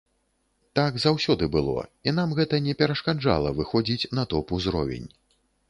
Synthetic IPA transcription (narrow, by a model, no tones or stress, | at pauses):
t̪aɡzawsʲɔd̪ɨbɨlˠɔ̰inamɣɛt̪ɐnʲɛpʲɛɾɐʂkad͡ʐa̰lˠɐvɨxɔd͡zʲit͡sʲnɐt̪ɔpuzɾɔ̰vʲɛ̰nʲ